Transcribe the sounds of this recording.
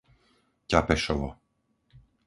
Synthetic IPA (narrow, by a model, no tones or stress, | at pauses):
capɛʃɔʋɔ̰